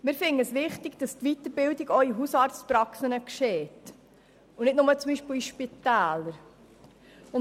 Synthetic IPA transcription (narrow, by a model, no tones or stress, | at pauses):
mɪːɾfɪnəəsʋɪχtiɡ̥d̥ɑst̪ʋit̪əɾbɪldiɡɔwiɦusɑːɾt͡spɾɑksənəkʃeːt | unɪtnʊmət͡sʊmbiːʃpiːiʃpit̪æːləɾ | ʊn